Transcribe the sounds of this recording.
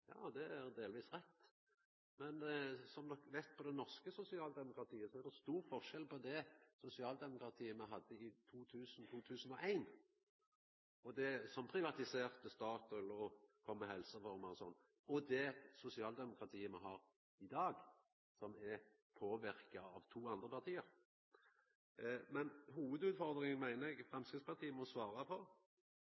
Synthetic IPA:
jɑ̰ːd̪ɛæɾd̪eːlʋiːsɾɛt̪ː | mɛnsɔmd̪ɔkʋæɪt̪pʰɔd̪ɛnɔʁskəsʊsɪɑːld̪ɛmʊkɾɑt̪ʰiːəsɔæɾʁd̪ɛst̪uːɾfɔʁʃɛlpɔd̪ɛsʊsɪɑːld̪ɛmʊkɾɑt̪ʰiːəmæɪɦɑd̪ːəɪt̪ʰuːt̪ʰʉːsn̩t̪ʰuːt̪ʰʉːsn̩ɔʔæɪn | ɔd̪ɛsɔmpʰɾɪʋɑt̪ɪseːʁt̪əst̪ɑːt̪ɛlːəʁɔkʰɔmːəhɛlsəfɔʁmɑlɔsɔnː | ɔd̪ɛsʊsɪɑːld̪ɛmʊkɾɑt̪ʰiːəmæɪɦɑːɾ | ɪd̪ɑːɡ | sɔmɛ | pʰoːʋɪɾkɑɑʋt̪ʰuːɑnd̪ɾəpʰɑʁt̪ʰiːəɾ | mɛnɦuːʋəd̪ʉːd̪fɔʁd̪ɾɪŋnmæɪnəɛɡfʁɛmskɾɪspʰɑʁt̪ʰiːəmɔsʋɑːɾɑpʰɔ

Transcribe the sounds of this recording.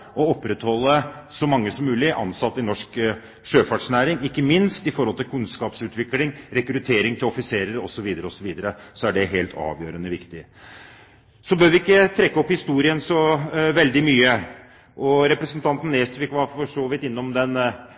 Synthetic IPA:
ɔɔpːɾɛt̪hɔlːəsɔmɑŋːəsɔmːʉːlɪʔɑ̰nsɑt̪ːɪnɔʂk | ʂøːfɑʈʂnæːɾɪŋɪkːəmɪnst̪ɪfɔɾhɔlt̪ʰɪlkʰʉnskɑːpsʉːt̪ʋɪklɪŋɾɛkɾʉt̪ʰeːɾɪŋt̪ʰɪlɔfɪseːɾəɾɔ̰sɔʋiːd̪əɾəɔsɔʋiːd̪əɾəsɔæɖɛɦeːlt̪ʰɑ̰ːʋjøːɾənəʋɪkt̪ɪ | sɔbøːɾʋɪɪkːət̪ʰɾɛkːəɔphɪst̪uːɾɪənsɔʋɛld̪ɪmyːə | ʔɔɾɛpɾəsənt̪ʰɑnt̪n̩ːeːsfɪkːʋɑɾfɔʂoːʋɪt̪ɪnːɔmd̪ɛn

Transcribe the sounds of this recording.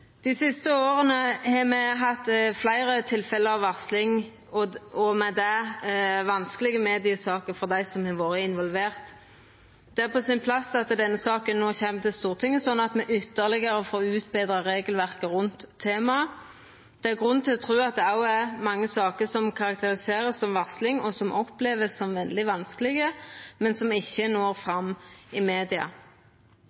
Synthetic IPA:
d̪̥ɪsɪst̪əoːʁənəhɑmɛɦɑt̪ːflæɪɾət̪ʰɪlfɛləɑʋɑʁslɪŋ | ɔɔmɛd̪ɛ | ʋɑnskəlɪɡəmɛːd̪ɪəsɑːkəfɔʁd̪æɪsɔmhɛʋoːɾəɪnʋɔlʋeːʁt̪ | d̪̥ɛæʁpʰɔsɪnpʰlɑsɑt̪əd̪ɛnːəsɑːkənːoːçɛmːt̪ʰɪlst̪uːʁt̪ʰɪŋːəsɔnːɑt̪mɛʔʏt̪ːəʁlɪɡəɾəfɔʁɔʉːt̪beːd̪ɾɑʁeːɡəlʋæʁkəɾʉnt̪ʰːeːmɑ | d̪̥ɛæʁɡʁʉnːt̪ʰɪlɔt̪ʰʁʉːɑt̪̚d̪ɛɑʊɛmɑŋːəsɑːkəsɔmkʰɑɾɑk̚t̪əɾɪseːʁəsɔmʋɑslɪŋɔsɔmʔɔpleːʋəsːɔmʋɛld̪ɪʋɑnskəlɪɡəmɛnsɔmɪçːənoːʁfʁɑmɪmeːd̪ɪɑ̰

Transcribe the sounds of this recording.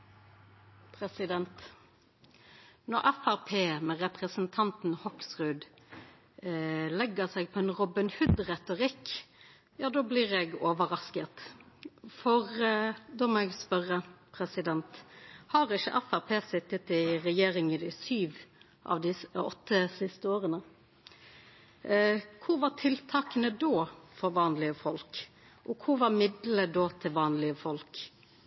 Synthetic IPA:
pʰɾɛsɪd̪ɛnt̪ | nɔɾɛfæʁpʰeːmɛɾɛpʁəsnt̪ʰɑnt̪n̩hɔksʁʉd̪ | lɛɡːəsɛɡ̚pʰɔɛnʁɔbənhʉd̪ʁɛt̪ʊɾɪkː | jɑːd̪oːblɪʁɛɡoːʋəɾɑskət̪ | fɔʁd̪oːmɔɛɡspœʁəpʰɾɛsɪd̪ɛnt̪hɑɾɪʃːə̰ʔɛfæpʰeːsɪt̪ːət̪ɪɾɛjeːɾɪŋɪd̪ɪsyːʋ | ʔɑ̰ʋd̪ɪsɔ̰t̪ːəsɪst̪əoːɾənə | kʰʊʋɑʈʰɪlt̪ʰɑːkənəd̪oːfɔɾʋɑːnlɪəfɔlk | ʔɔkʰʊʋɑɾmɪd̪ləd̪oːt̪ʰɪlʋɑːnlɪəfɔlk

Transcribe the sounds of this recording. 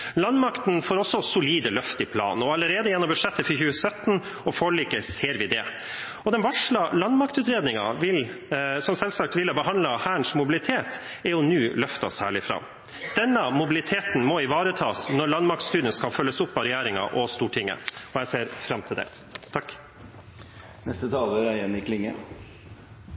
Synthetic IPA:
lɑnmɑkt̪n̩foːɾɔsːɔsʊliːd̪əlœft̪ɪpʰlɑ̰ːnɔɑləɾeːd̪əjɛnːɔmbʉʂɛt̪ːəfçʉːəsœt̪ːn̩ | ɔfɔɭiːkəseːɾʋɪd̪ɛ | ɔd̪ɛnʋɑʂɭɑlɑnmɑkt̪ʉːt̪ɾeːd̪nɪŋɑ̰ʋɪlsɔmsɛlsɑkt̪ʋɪlhɑbəɦɑnd̪lɑhæːɳʂmʊbɪlɪt̪ʰeːt̪ | ɛɾjʊnʉːlœft̪ɑsæːɭɪfɾɑ̰ | d̪̥ɛnːəmʊbɪlɪt̪ʰeːt̪n̩mɔɪʋɑːɾət̪ʰɑːsnɔɾɭɑnd̪mɑk̚t̪st̪ʉːd̪ɪənskɑlfœlːəsʊpːɑɾɛjæːɾɪŋɑ̰ʔɔst̪uːʈʰɪŋːə̰ɔjæɪseːɾfɾɑmt̪ʰɪld̪ɛ̰ | t̪ʰɑk | nɛst̪ət̪ʰɑːləɾæɪənɪklɪŋːə

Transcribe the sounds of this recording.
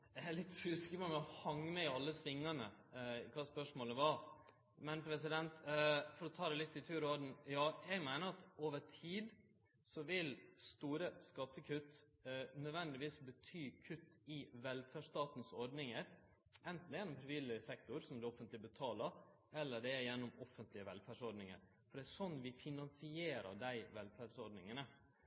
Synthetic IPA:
ɛælɪt̪ːhʉskəpɔmɛɔhɑŋːmɛɪɑlːəsʋɪŋːɑnəkʰɑːspœʂmoːləʋɑ | mɛnpʰɾɛsɪd̪ɛnt̪fɔɾɔt̪ʰɑːd̪ɛlɪt̪ːɪt̪ʰʉːɾɔɖn̩jɑːɛɡmæɪnəɾɑt̪oːʋəʈʰiːd̪ | sɔʋɪlst̪uːɾəskɑt̪ːəkʰʉt̪ː | nœd̪ʋɛnd̪ɪʋiːsbət̪ʰyːkʰʉt̪ːɪʋɛlfæːʂt̪ɑːt̪n̩sɔɾɖnɪŋəɾ | ʔɛnt̪n̩d̪jɛnːɔmpʰɾɛʋɪləɾsɛkt̪ʊɾsɔmd̪ɛɔfənt̪lɪbət̪ʰɑːləɾ | ɛlːəɖɛæjɛnːʊmɔfənt̪lɪəʋɛ̰lfæːɖʂɔɾɖnɪŋə̰ɾ | fɔɖɛæʂɔnːʋɪfɪnɑnsɪeːɾə̰ɖæɪʋɛlfæɖsɔɾɖnɪŋənə

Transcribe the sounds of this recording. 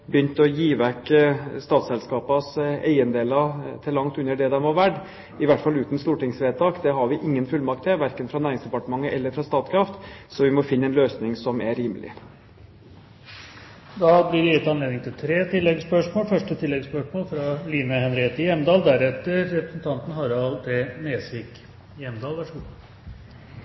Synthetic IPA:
bəjʏnt̪əɔjiːʋækːst̪ɑːt̪sɛlskɑːpɑsæ̰ɪənd̪eːlɑt̪ʰɪlːɑŋt̪ʉnːəɖɛd̪ɛmʋɑʋæɖ | ɪʋæʈfɑlːʉːt̪n̩st̪uːʈɪŋsʋeːd̪t̪ʰɑːkd̪ɛɦɑɾʋɪʔɪŋːənfʉlmɑk̚t̪ːɛʋæɾkənfɾɑnæːɾɪŋsd̪ɛpɑʈəmɑŋːəʔɛlːəɾfɾɑst̪ɑːt̪kʰɾɑft̪sɔʋɪmɔfɪnːəɛnløːsnɪŋsɔmæɾiːməlɪ̰ | d̪ɑːblɪɾɛjɪt̪ːɑnleːd̪ɪŋt̪ʰɪlt̪ʰɾeːt̪ʰɪlːɛɡspœʂmoːlfœʂʈət̪ʰɪlːɛɡspœʂmoːlfɾɑliːməhɛnɾeːt̪əɪjɛmːd̪ɑːld̪æɾɛt̪ːəɾːɛpɾəsn̩t̪ʰɑnt̪n̩hɑɾɑlt̪ʰɪlneːsʋɪːk | jɛmd̪ɑːlʋæʂəɡu

